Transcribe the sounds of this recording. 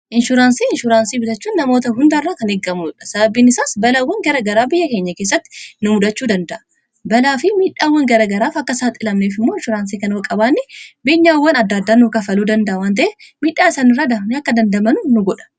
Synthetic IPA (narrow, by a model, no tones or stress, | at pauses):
ʔɪnʃʊɾaːnsiːɪnʃʊɾaːnsiːbɪt̪ɐt͡ʃːuːnːɐmo̞ːt̪ɐɦʊnd̪ɐrːaːkɐneɡːɐmuᶑɐsɐbɐbːiːnɪsaːsbɐlaːwːɐŋɡɐɾɐɡɐɾaːbɪjːɐke̞ːɲːɐkeːs̬ːɐt̪ːɪ̥nʊmʊd̪ɐt͡ʃːuːd̪ɐnd̪ɐʔɐ̥ | bɐlaːfɪmiːᶑaːwːɐŋɡɐɾɐɡɐɾaːfɐkːɐsaːt̪ʼːɪlɐmneːfɪmːo̞ːɪnʃʊɾaːns̬iːkɐnwɐkʼɐbaːnːɪbeːɲːaːwːɐnɐd̪ːɐd̪ːaːnukɐfɐluːd̪ɐnd̪ɐʔɐwaːnt̪̬ɐʔɛmiːᶑːaːɪsaːnɪrːaːd̪ɐnɐkːɐd̪ɐnd̪ɐmɐnʊnʊɡɔᶑɐ̥